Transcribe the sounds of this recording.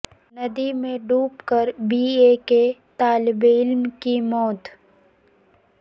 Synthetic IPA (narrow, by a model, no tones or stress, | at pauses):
nɐd̪imẽɖuːpkəɾbiːeket̪aːlɪbɪlmkimɔːt̪